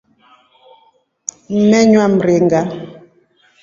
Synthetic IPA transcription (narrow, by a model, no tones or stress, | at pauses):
mɛɲwam̩ɾeŋɡa